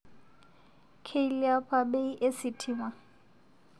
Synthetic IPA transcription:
kʰe˦ilia˦pʰa˦be˦i˦ʔe˦sɪ˨tʰiː˦ŋwa˦˨

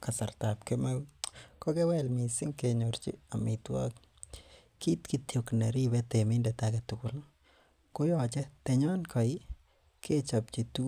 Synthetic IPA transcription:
ka˨sa˨ɾtapkemakɔ˦ɡɛ˦wɛ˦lmi˨sɪ˦ŋke˨ɲoɾt͡ʃḭ˦a˨mi˨twa̰˦k | ki˦tki˦tjo˨kne˨ɾi˦bɛ˦te˨mɪ˦ndɛ˨ta˦kɛ˨tʊ˨kʊ˨l | ko˦jɔ˦˨t͡ʃɛ˦tɛ˨ɲɔ˦nkʰɔ˨ɪ˦ | kʰe˦t͡ʃa˨p̚t͡ʃi˨tu˦

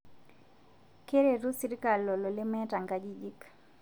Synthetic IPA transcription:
ke˦ɾe˨ɾu˦si˦ɾi˦ka˨lːɔ˨lɔ˨le˦mɛ˦ta˨ŋɡa˦d͡ʒi˦d͡ʒi˦k

